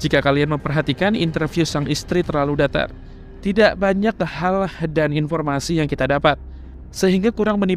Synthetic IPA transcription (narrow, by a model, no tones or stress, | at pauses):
d͡ʒikakalianməmpərɦat̪ikanḭnt̪ərfjusaŋist̪ɾit̪ərlaludat̪a̰r | t̪idaʔbaɲak̚halhdaninfɔrmasijaŋkit̪adapat̪̚ | səɦiŋɡakuɾaŋməni